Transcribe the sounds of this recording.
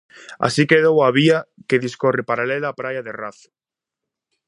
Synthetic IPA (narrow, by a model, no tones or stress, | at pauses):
a̰sikeðowaβiakeðiskorepaɾalelaːpɾajaðeraθʊ̥